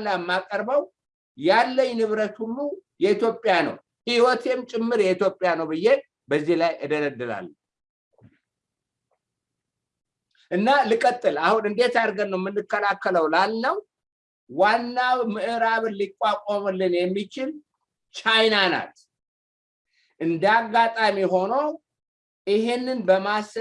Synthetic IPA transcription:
lːamːakʼəɾbəw | jalːəɲːnɨβɾət̪hulːujɛit̪jo̞pʼjanə̰w | hiwɔt̪ʰemt͡ʃʼɪmːɨɾjɛit̪ʰjo̞pʼːɪjanəwbɨjːe | bəzːilajʔɨd̪ələd̪ːɨla̰lː | ʔɨnːalikʼət̪ʼːɨlahunɨnd̪e̞t̪aɾɡənːəwmːɨnːɨkːəlakːələwlalːəw | wanːawmɨʔɨɾaβɨnlikʼːakʼomɨlːɨnjɛmːit͡ʃɪl | t͡ʃʼajnana̰t̪ | ʔɨnd̪aɡːat̪ʼamiɦo̞no | ɪɦenːɨnbəmas

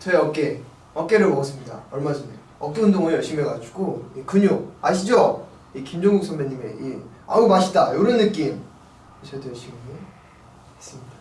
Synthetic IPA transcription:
t͡ɕʌeʌk͈e | ʌk͈e̞ɾɯɭmoɡʌs͈ɯmɲida̰ʌɭmad͡ʑine | ʌk͈eundoŋuejʌɭɕ͈imeɡad͡ʑuɡoikɯɲoa̰ɕʰid͡ʑʌ | ikimd͡ʑʌŋɡuk̚sʰʌŋmeɲːimḛia̰umaɕʰi̥t͈ajoɾʌnːɯk͈im | eɕʰʌdeɕ͈ʰiɡame | as͈ɯmɲidḁ

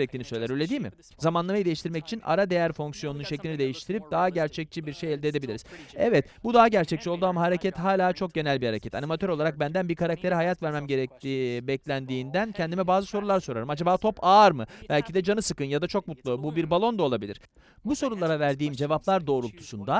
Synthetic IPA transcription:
ɾɛc̚t̪ʰiːnisøjlʲæɾølʲed̪iːmɪ̰ | zamanlˠamajid̪e̞jiʃt̪ʰiɾmɛci̥t͡ʃʰina̰ɾad̪e̞jæɾfo̞ŋksijo̞nunʃɛclʲinid̪e̞jiʃt̪ʰiɾip̚d̪̥aɦaɟæɾt͡ʃʰɛc̚t͡ʃʰibiɾʃejɛlʲd̪ed̪e̞bilʲiɾiz̥ɛvɛt̪bud̪aɦaɟæɾt͡ʃʰɛc̚t͡ʃʰio̞lˠd̪uamaɦaɾecʰɛt̪ɦaːlʲaːt͡ʃʰo̞k̚ɟe̞nælʲbihaɾecʰɛt̪ʰanimat̪ʰø̞ɾo̞lˠaɾak̚bænd̪ænbiɾkʰaɾak̚t̪ʰe̞ɾiɦajat̪væɾmæmɟe̞ɾɛc̚t̪ʰibɛclʲænd̪iːnd̪æncʰɛnd̪imɛbaːzɯso̞ɾulˠaɾso̞ɾaɾɯmad͡ʒabaːt̪ʰo̞pʰaːɾmɯb̥ælʲcʰid̪ɛd͡ʒanɯsɯkɯnjad̪at͡ʃʰo̞k̚mut̪lˠububiɾbalˠo̞nd̪ao̞lˠabilʲiɾ̥ | buso̞ɾulˠaɾavæɾd̪iːmd͡ʒe̞vaplˠaɾd̪o̞ːɾulˠt̪ʰu̥sund̪a

